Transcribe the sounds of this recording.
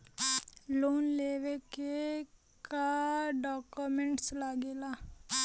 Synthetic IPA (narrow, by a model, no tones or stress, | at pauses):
loːnleʋeke | kaɖɔːkumẽɳʈslaɡeːla